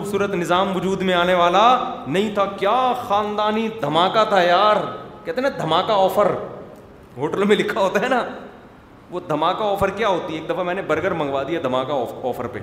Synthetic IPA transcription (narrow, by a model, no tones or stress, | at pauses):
ubsuːɾət̪nɪzaːmʋʊd͡ʒuːd̪mẽaːneʋaːlanɐɦĩt̪ʰakjaːxaːnd̪aːnid̪ʱɐmaːkat̪ʰajaːɾkɛɦt̪eɦnad̪ʱɐmaːkaɔːfəɾ | ɦoːʈəlmẽlɪkʰːaɦoːt̪aɦɛːna | ʋod̪ʱɐmaːkaɔːfəɾkjaɦoːt̪ieːk̚d̪ɐfamɛːnebɐɾɡəɾmɐ̃ŋɡʋaːd̪ijad̪ʱɐmaːkaɔːɔːfəɾpḛ